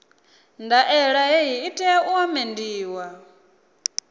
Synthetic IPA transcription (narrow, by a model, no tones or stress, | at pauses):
ndaʔɛɺaɦeɦiitʼɛɛuɔmendiːwa